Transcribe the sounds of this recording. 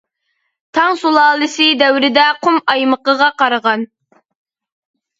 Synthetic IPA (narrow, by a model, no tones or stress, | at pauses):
t̪ʰɑŋsulˠɑːlˠɨsɪd̪æwɾɪd̪ɛqʰʊmɑjməqəʁɑqɑɾəʁɑn